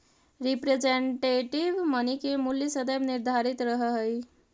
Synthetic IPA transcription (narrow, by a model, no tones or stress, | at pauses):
ɾipɾed͡ʒeɳʈeʈibmənikemuljəsəd̪əbniɾd̪ʱaɾit̪ɾəɦəɦəj